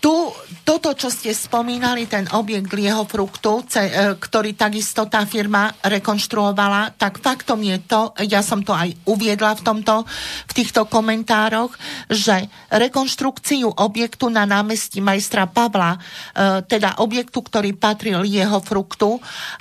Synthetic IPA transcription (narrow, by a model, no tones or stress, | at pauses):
t̪ut̪ɔt̪ɔt͡ʃɔscɛspɔmiːnalit̪ɛnɔbjɛɡd̪lɪɛɦɔfɾukt̪ut͡sɛkt̪ɔɾiːt̪aɡist̪ɔt̪aːfiɾmaɾɛkɔnʃt̪ɾuɔʋalat̪akfakt̪ɔmjɛt̪ɔjasɔmt̪ɔajuʋɪɛd̪laft̪ɔmt̪ɔft̪iːxt̪ɔkɔmɛnt̪aːɾɔɣʒɛ | ɾɛkɔnʃt̪ɾukt͡siuʔɔbjɛkt̪unanaːmɛscimajst̪ɾapaʋla | t̪ɛd̪a̰ʔɔbjɛkt̪ukt̪ɔɾiːpat̪ɾiljɛɦɔfɾukt̪u